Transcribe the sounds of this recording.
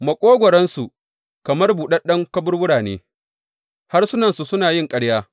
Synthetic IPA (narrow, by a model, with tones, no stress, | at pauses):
mɐ˨kʷʼoː˦ɡʷɔ˨ɾɐ˦nsu˨ | kɐ˨mɐ˦rbuː˨ɗɐ˦ɗɐ˦ŋkɐ˦bʊ˦rwʊ˦ɽaː˨nḛː˦ | ha˦rsʊ˦nɐ˨nsu˨sʊ˦naː˨jɪ˦˨ŋkʼɐ˦ɽjaː˦